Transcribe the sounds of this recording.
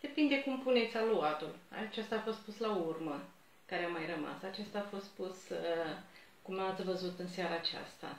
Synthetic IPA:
d̪̥e̞pind̪e̞kumpune̞t̪sʲaluat̪ula̰t͡ʃest̪aːfo̞st̪̚puslaurmə | kaɾeamajrəma̰sat͡ʃest̪aːfo̞st̪̚pusə | kumat̪sʲvəzut̪ɨnseaɾaːt͡ʃa̰st̪a̰

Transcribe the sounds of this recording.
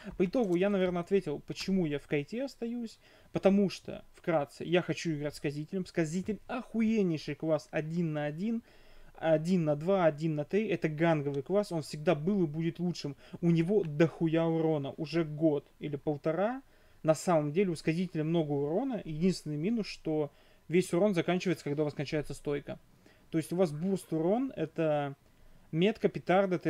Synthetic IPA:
pəɪt̪o̞ɡʊjanɐvʲe̞rnəɐt̪vʲetʲɪlˠpət͡ɕɪmujafkɐjtʲeɐst̪ɐjusʲ | pət̪ɐmuʂt̪o̰fkɾat̪sɨ̰jaxɐt͡ɕuɪɡɾatʲskɐzʲitʲɪlʲɪmskɐzʲitʲɪlʲɐxʊjenʲɪjʂɨjklˠasɐdʲinːəɐdʲin | ɐdʲinːɐd̪vaɐdʲinːɐt̪ɾʲiɛt̪əɡanɡəvɨjklˠaso̞nfʲsʲɪɡ̚d̪abɨlˠɨbudʲɪt̪lˠutʂɨmʊnʲɪvo̞d̪əxʊjaʊɾo̞nə̰ʔʊʐɛɡo̞t̪ilʲɪpəlˠt̪ɐɾa | nɐsaməmdʲelʲɪʊskɐzʲitʲɪlʲɪmno̞ɡəʊɾo̞nəjɪdʲinst̪vʲɪnɨjmʲinʊsʂt̪o̞ | vʲesʲʊɾo̞nzɐkanʲt͡ɕɪvəjɪt̪səkɐɡd̪aʊvaskɐnʲt͡ɕæjɪt̪səst̪o̞jkə | t̪o̞ɪsʲtʲʊvasburst̪ʊɾo̞nɛ̰t̪ə | mʲet̪kəpʲɪt̪ard̪ət̪

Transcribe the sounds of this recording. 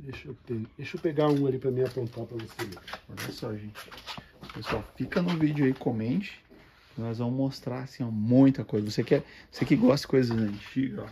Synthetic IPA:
d̪ejʃot̪ed̪ejʃopeɡaũalipɾɐmĩɲɐpõnt̪awpɾɐvoseɔʎɐsɔʒẽt͡ʃɪ̥pesuawfikɐnʊvid͡ʒʊaikõmẽnt͡ʃɪ̥ | kɪnɔjzvɐ̃mʊmost̪ɾaɾasĩɐmũj̃t̪ɐkojzɐvosekɛvosekɪɡɔst̪ɐ̥kojzɐzɐ̃t͡ʃiɡɐ

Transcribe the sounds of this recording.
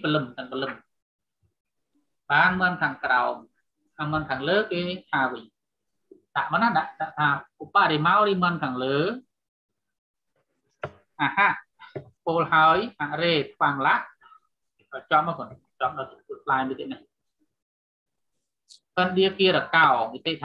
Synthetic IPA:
pəlɨmt̪ɨŋpəlɨm | ɓaːnməənkʰaːŋkraɔm | ʔaːməənkʰaːŋləːkeːt̪ʰaːʋɨɲ | ɗaʔmənaɗaʔɗaʔt̪ʰaːupaʔɾimaɔɾiːmənkʰaːŋləː | ʔaːhaʔ | poːlhaəjʔaʔreːt̪̚ʰɓaŋlaʔ | ɔt͡ɕop̚makon | t͡ɕɔp̚ɗatut̪ʰlaɛmɨt̪iət̪̚nah | pənɗiəkiəɾakaɔnit̪eʔt̪ʰ

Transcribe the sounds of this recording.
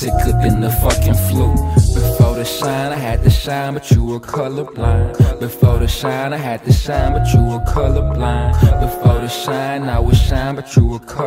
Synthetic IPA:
sɪkʰlɪpɨ̃nðəfʌkɪ̃nflob̥ɨfɔɹɾɨʃãɪ̃naɪɨd̚tɨʃãɪ̃nbɨtʰuəkʰʌlˠə˞blãɪ̃nbɨfɔɹɾɨʃãɪ̃naɪɨd̚tɨʃãɪ̃nbətʰɹ̥uəkʰʌlˠə˞blãɪ̃nbɨfɔɹɾɨʃãɪ̃naɪwʌz̥ʃãɪ̃nbɨtʰɹ̥uəkʰʌ

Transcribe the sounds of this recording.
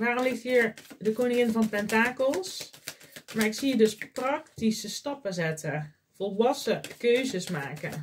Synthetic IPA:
daːromlɪxthiːəɹdəkonɪŋɪnfvɔntɛntaːkəlˠs | maːɹɪksiədøsprɑktisəstɑpəzɛtʰə | folˠʋɑsəkøːzəsmaːkə

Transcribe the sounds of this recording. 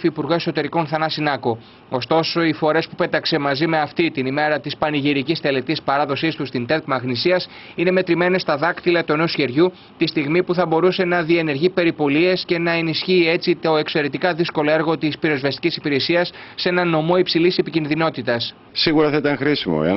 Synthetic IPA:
fiːpuɾɣo̞e̞so̞t̪e̞ɾiko̞nθɐnɐsinɐko | o̞st̪o̞so̞ifo̞ɾe̞spupe̞t̪ɐkse̞mɐzime̞ɐft̪it̪inime̞ɾɐt̪ispɐniʝiɾicist̪e̞le̞t̪ispɐɾɐðo̞sist̪ust̪int̪e̞kmɐɣnisiɐs | ine̞me̞t̪ɾime̞ne̞st̪ɐðɐkt̪ilɐt̪ue̞no̞sçe̞ɾʝu | t̪ist̪iɣmipuθɐbo̞ɾuse̞nɐðie̞ne̞ɾʝipe̞ɾipo̞lie̞sce̞nɐe̞nisçiːe̞t͡sit̪o̞e̞kse̞ɾet̪ikɐðisko̞lo̞e̞ɾɣo̞t̪ispiɾe̞zvɐst̪i̥cʲisipiɾe̞siɐsːe̞nɐno̞mo̞ipsilise̞picinðino̞t̪it̪ɐs | siɣuɾɐθɐit̪ɐnxɾisimo̰ɐ̰

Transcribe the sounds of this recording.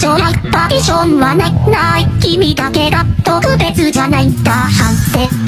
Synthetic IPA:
oapat̪iɕõnβananaikʲːimʲid̪ake̞ɡ̪at̪okɯ̟be̞t͡sɨd͡ʑanait̪ahat̪ːe

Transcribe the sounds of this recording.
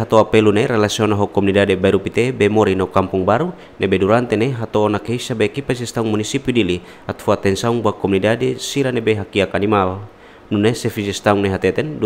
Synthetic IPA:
ɦat̪oapɛluneɾelasiɔnaɦɔkɔmunidadebaiɾupit̪ebemɔɾinaukampuŋbaɾu | nebeduɾant̪ɛneɦat̪oːnakeisabekipasist̪auŋmunisipidili | at̪fuat̪ɛnsauŋbuakɔmunidadesiɾanebeɦakiakanimal | nunesɛfisɛst̪auŋneɦat̪ɛt̪ɛnd

